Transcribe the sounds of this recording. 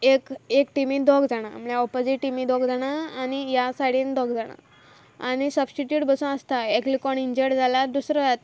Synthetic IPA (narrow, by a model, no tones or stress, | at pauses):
ekekʈimid̪ɔɡd͡zaɽ̃amɭjaɔpod͡ziʈːimid̪ɔɡd͡zaɽ̃aːnijasaɽind̪ɔɡd͡zaɽ̃a̰ | anisəbsʈiʈjuːʈbəsunəst̪aeklikɔɳiɲd͡ʑəɽd͡zalad̪usɾəjat̪